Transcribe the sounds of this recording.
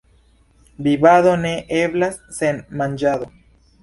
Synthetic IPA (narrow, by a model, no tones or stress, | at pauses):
biβaðoneʔeβlasːenmãnd͡ʒaðo